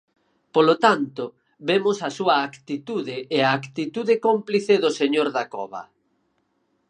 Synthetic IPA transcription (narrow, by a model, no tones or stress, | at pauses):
polot̪ant̪ʊ | βemʊsɐsuɐːkt̪it̪uðɪːaːkt̪it̪uðɪkompliθeðʊseɲoɾðakɔβɐ̰